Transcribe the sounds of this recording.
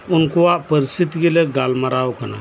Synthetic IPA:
ʊnkoaʔpəɾist̪it̪iɡeleɡalmaɾaːokəna̰

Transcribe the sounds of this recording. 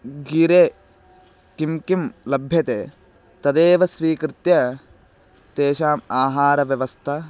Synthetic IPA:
ɡiːɾeː | kimkimlɐbʱjɐt̪eː | t̪ɐd̪eːʋɐsʋiːkɾɪt̪jɐ | t̪eːʃaːmaːɦaːɾɐʋjɐʋɐst̪ʰɐ

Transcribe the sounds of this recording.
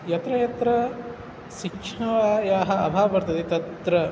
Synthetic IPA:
jɐt̪ɾɐjɐt̪ɾɐ | ʃikʂʰnɐʋaːjaːɦɐ̆ɐbʱaːɐbɐɾt̪ʰɐt̪it̪ɐt̪ɾɐ

